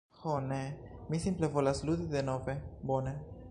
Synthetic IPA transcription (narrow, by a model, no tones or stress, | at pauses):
honemisimple̞vo̞laslud̪id̪e̞no̞ve̞bone̞